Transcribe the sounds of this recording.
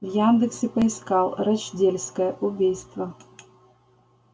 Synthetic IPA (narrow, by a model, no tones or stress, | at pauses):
vjand̪ɨksʲɪpɐiskalˠɾat͡ɕd͡zʲelʲskɐjɛʔubʲijst̪vɐ